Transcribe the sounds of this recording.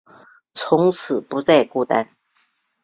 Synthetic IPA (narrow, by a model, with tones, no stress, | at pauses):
t͡sʰʊ˧˥ŋt͡sʰɹ̩˨˩pu˧˥t͡sa˥˧ɪku˥˧˩t̪a̰˥n